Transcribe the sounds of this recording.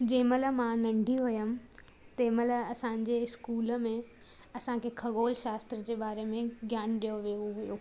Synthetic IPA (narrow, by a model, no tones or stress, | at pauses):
d͡ʑeːmələmãnɐ̃ɳɖʱiɦʊjəm | t̪eːmələɐsãɲ̆d͡ʑeɪskuːləmẽ | ɐsãkʰeːkʰɐɠoːlʃaːst̪ɾəd͡ʑeːɓaːɾemẽɡʱjaːnɗijoʋijoɦujoː